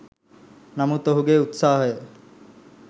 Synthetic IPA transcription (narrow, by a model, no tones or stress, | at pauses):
namut̪oɦuɡeut̪saːɦəjə